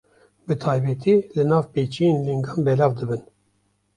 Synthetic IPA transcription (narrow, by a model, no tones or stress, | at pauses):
bɨt̪ʰɑːjbɛt̪ʰiːlɨnɑːvpeːt͡ʃijeːnliŋɡɑːnbɛlɑːvd̪ɨbɨn